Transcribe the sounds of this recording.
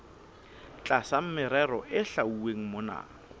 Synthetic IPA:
t͡ɬʼasam̩mɪɾɛɾɔʔɪɬauweŋ̩mona̰ː

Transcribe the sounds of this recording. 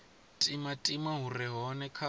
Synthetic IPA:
tʼimatʼimaɦurɛɦɔnɛkʰa

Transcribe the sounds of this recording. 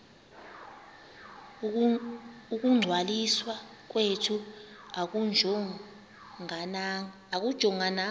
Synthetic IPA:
uk̬ʼuŋ͡ǀʱwaliswa | k̬wetʰu | akud͡ʒʱɔ | ŋ | ak̬ud̥ʒ̥ʱɔŋana

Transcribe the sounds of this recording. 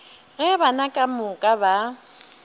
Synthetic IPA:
ɣɛbanakʼamʊkʼaba

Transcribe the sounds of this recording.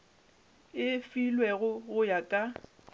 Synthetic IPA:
ɪfilwɛɣʊɣʊjakʼa

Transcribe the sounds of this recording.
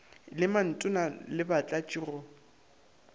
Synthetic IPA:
lɪman̩tʼʊnalɪbat͡ɬʼat͡ʃʼirʊ

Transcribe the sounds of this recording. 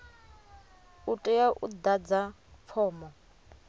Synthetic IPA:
utʼɛjaʔṵd̪ad͡za | fʰɔːmɔ

